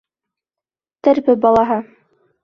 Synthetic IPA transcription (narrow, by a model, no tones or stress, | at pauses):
t̪ɘɾbɘbɑlˠɑɦɤ